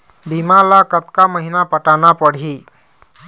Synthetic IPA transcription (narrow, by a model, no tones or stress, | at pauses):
bimalakət̪kaməɦinapəʈanapəɽ̤i